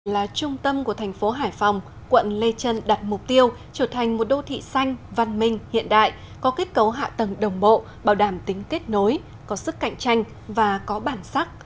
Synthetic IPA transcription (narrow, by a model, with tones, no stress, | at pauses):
laː˨˩t͡ɕʊ˧ŋ͡mt̪ə˧mku˧˩ət̪ʰɛ˨˩jŋ̟fo˨˦ɦaː˧˩jfa˨˩wŋ͡m | kwə̰˧˨nle˧t͡ɕə˧nɗa˨˩t̚mʊ˨˩k͡p̚t̪i˧əw | t͡ɕəː˧˩t̪ʰa˨˩jŋ̟mo˨˩t̚ɗo˧t̪ʰḭ˧˨sa˧jŋ̟va˧nmï˧ŋ̟hḭ˧˨ənɗa̰ː˧˨j | kɔ˨˦ke˦˥t̚kə˨˦wɦa̰ː˧˨t̪ə˨˩ŋɗə˨˩wŋ͡mɓo̰˧˨ | ɓaː˧˩wɗaː˧˩mt̪ï˨˦ŋ̟ke˦˥t̚no˨˦j | kɔ˨˦sɨ˦˥kːa̰˧˨jŋ̟t͡ɕa˧jŋ̟ | vaː˨˩kɔ˨˦ɓaː˧˩nsa˦˥k̚